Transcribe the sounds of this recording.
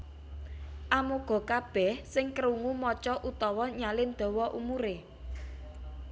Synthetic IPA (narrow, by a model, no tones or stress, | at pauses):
ʔamoɡ̥ɔ̤kab̥ɛ̤hsɪŋkəɾuŋumɔt͡ʃɔʔut̪ɔwɔɲalɪnd̪̥ɔ̤wɔʔṵmuɾe